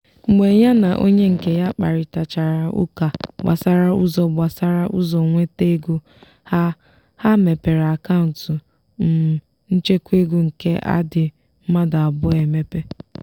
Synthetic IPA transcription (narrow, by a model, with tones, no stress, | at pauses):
ŋ͡m̩˨ɡ͡be˨ja˦na˨ʔo̰˦ɲe˦ŋ̩˨ke˨ja˦k͡pa̰˨ɾɪ˨ta˨t͡ʃa˨ɾa˨ṵ˦ka˨ba̰˨sa˦ɾa˦u˦zɔ˨ɡ͡ba˨sa˦ɾa˦ʔṵ˦zɔ˨ŋʷe˦te˦ɡu˦ | ha˦ | ha˦me˨pe˨ɾa˨ka˦ʊ˨n̩˨tʊ˨ | m̩˨ | n̩˦t͡ʃe˦kʷe˦ɡu˦ŋ̩˨ke˦ʔa̰˦dɪ˨ | m̩˦ma˦da˨a˨bʊ˦e˨me˦pe˦